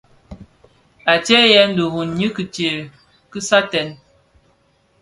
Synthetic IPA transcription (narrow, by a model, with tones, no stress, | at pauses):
a˨tɛ˦jɛ˦n̩˦du˨ɣu˨n˨ɲi˦kɨ˨tje˨ | kɨ˦sa˦tɛ˨n